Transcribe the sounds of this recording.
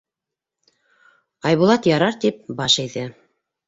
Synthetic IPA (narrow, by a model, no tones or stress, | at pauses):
ɑjβulˠɑt̪jɑɾɑɾt̪ip̚bɑʃæjðɘ